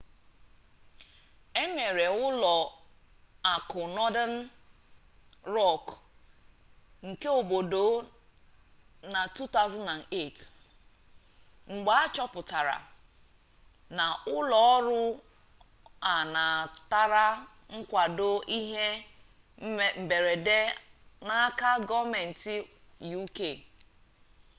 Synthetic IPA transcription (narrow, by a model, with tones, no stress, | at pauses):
e˦me˨ɾe˨ʊ˦lɔ˨ | a˨kʊ˨nɔ˦da˦n̩˦ | ɾɔ˦˨k | ŋ̩˨ke˦o˨bo˨do˨˦ | na˨tu˦ta˦ʊza˦na˨ne˦˨t | ŋ͡m̩˨ɡ͡ba˨a˦t͡ʃɔ˦pʊ˨ta˨ɾa̰˨ | na˨ʊ˦lɔ˨˦ɔ˦ɾʊ˦ | a˨na˨ta˦ɾa˦ | ŋ̩˦kʷa˨do˦ʔi˦ɦe˦˨ | m̩˨be˨ɾe˨de˦na˦ka˦ɡɔ˦me˨n̩˨ti˦ju˦ke˦˨